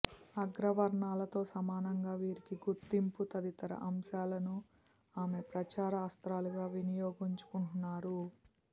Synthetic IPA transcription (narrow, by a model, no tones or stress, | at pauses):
ɐɡɾɐʋɐɾɳaːlɐt̪o̞ːsɐmaːnɐŋɡaːʋiːɾikiɡuɾt̪imput̪ɐd̪it̪ɐɾɐ̰ʔɐmʃaːlɐnu | aːme̞pɾɐt͡ʃaːɾɐːst̪ɾaːluɡaːʋinijoːɡiɲt͡ʃu̥kuɳʈunːaːɾu